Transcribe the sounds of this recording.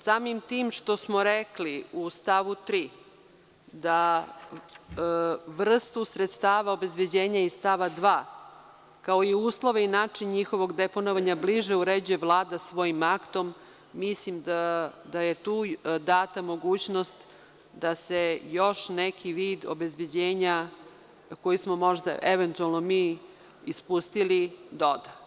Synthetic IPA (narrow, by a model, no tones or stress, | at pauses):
saːmimt̪iːmʃt̪o̞smoɾekliust̪aːʋut̪ɾiː | d̪a | ʋr̩st̪usɾet̪st̪aːʋaobe̞zbed͡ʑeːɲaist̪aːʋad̪ʋaː | kao̞iuːslˠo̞ʋeinaːt͡ʂiɲɲixo̞ʋo̞ɡd̪eponoʋaɲabliʒeuɾed͡ʑujeʋlˠaːd̪asʋo̞jimakt̪o̞mː | islimd̪ad̪ajet̪uːd̪aːt̪amo̞ɡuːt͡ɕnost̪ | d̪asejo̞ʃnekʰiʋiːd̪o̰be̞zbed͡ʑeːɲa | ko̞jismomo̞ʒd̪a̰ʔeʋent̪ualˠnomiː | ispust̪ilid̪od̪a